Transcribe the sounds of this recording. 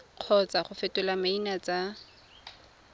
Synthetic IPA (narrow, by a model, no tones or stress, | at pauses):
q͡χʰɔt͡sʼaχʊfɛtʼʊlamainat͡sʼa